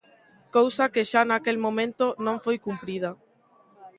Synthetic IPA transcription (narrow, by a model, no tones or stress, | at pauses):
kowsakeʃanakelmõmẽnt̪onõɱfojkumpɾið̞ɐ